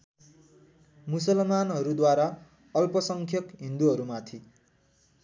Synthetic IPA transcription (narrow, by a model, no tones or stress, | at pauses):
musʌlmanɦʌɾud̪waɾa | ʌlpʌsʌŋkʰjʌkɦind̪uɦʌɾumat̪ʰi